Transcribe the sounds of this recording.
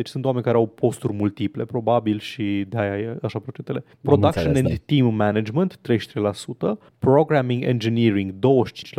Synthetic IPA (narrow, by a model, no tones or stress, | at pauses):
d̪et͡ʃʲsunt̪wame̞nʲkaɾeawpʰo̞st̪urʲmult̪iple̞pɾo̞babilʃid̪eajajaʃapɾot͡ʃent̪ele̞ | pɾo̞d̪akʃonẽnd̪t̪imːænad͡ʒmənt̪ːɾe̞jʃt̪ɾejlasut̪ə | pɾoɡɾæmiŋɡḛnd͡ʒiniɾiŋɡd̪o̞wəʃt͡ʃi̥nt͡ʃ